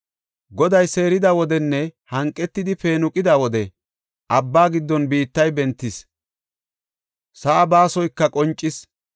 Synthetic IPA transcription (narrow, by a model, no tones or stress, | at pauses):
ɡɔd̪ɐjse̞ːɾɪd̪awɔd̪ɛnːɛhɐŋkʼːɛt̪ːɪd̪ɪpe̞ːnʊkʼɪd̪aːwɔd̪ɛ | ʔɐbːaːɡɪd̪ːɔnbiːt̪ːɐjbɛnt̪ːɪs | sɐʔːbaːsɔjkːɐkʼɔnt͡ʃʼːɪs